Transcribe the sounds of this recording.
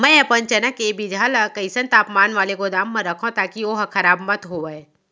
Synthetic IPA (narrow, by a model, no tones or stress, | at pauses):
mɛ̃ɐpənt͡ʃɐnəkːebid͡ʒʱaːlkəɪsə̃nt̪aːpmaːnʋaːlekod̪aːmːɐ̃ɾɐkʰõt̪aːkioɦkʰɐɾaːbmɐt̪ɦoːʋəe